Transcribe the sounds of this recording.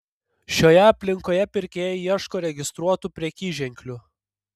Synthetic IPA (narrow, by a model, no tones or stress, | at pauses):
ʃʲoːjɛɐpʲlʲɪŋkoːjɛpʲɪɾʲkʲeːjɛjiɛʃkoːɾʲɛɡʲɪst̪ɾuɔt̪upʲɾʲiɛkʲiːʒʲɛŋʲkʲlʲu